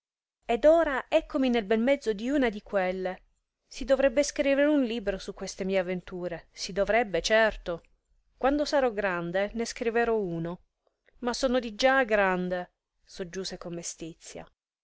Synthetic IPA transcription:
ed̪oːɾaɛkːominelbɛmmɛd̪zːod̪iuːnad̪ikwelːe | sid̪ovɾɛbːeskɾiːveɾeunliːbɾosukːwest̪emiːeavːent̪uːɾesid̪ovɾɛbːet͡ʃɛrt̪o | kwand̪osaɾɔɡɾand̪eneskɾiveɾɔuːno | masoːnod̪id͡ʒaɡɾand̪e | sod͡ʒːuːsekomːest̪it̪sːja̰

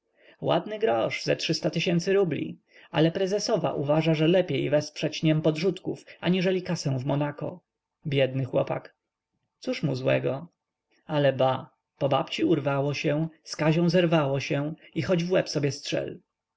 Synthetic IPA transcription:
wa̰d̪nɘɡɾɔʂzɛtʂɘst̪at̪ɘɕɛnt̪sɘɾublʲḭ | a̰lɛpɾɛzɛsɔva̰ʔuvaʐaʐɛlɛpʲjejvɛspʂɛt͡ɕɲɛmpɔd̪ʐut̪kufaɲiʐɛlʲikasɛ̃w̃vmɔnakɔ̰ | bʲjɛd̪nɘxwɔpa̰k | t̪suʂmuzwɛ̰ɡɔ | alɛba | pɔbapt͡ɕiuɾvawɔɕɛ̃skaʑɔ̃w̃zɛɾvawɔɕɛixɔd͡ʑvwɛpsɔbʲjɛstʂɛ̰l

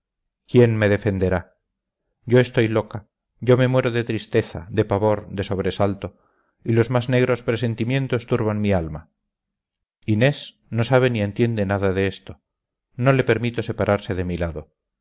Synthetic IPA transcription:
kje̞nmeðe̞fe̞nd̪e̞ɾa | ɟ͡ʝo̞e̞st̪o̞jlo̞ka | ɟ͡ʝo̞me̞mwe̞ɾo̞ðe̞t̪ɾist̪e̞θa̰d̪e̞paβo̞ɾd̪e̞so̞βɾesalt̪o̞ | ilo̞zmazne̞ɣ̞ɾo̞spɾese̞nt̪imjẽ̞nt̪o̞st̪uɾβanmialma | ine̞s | no̞saβ̞enie̞nt̪je̞nd̪e̞naðaðeest̪o̞ | no̞le̞pe̞ɾmit̪o̞se̞paɾʔaɾseðe̞milaðo̞

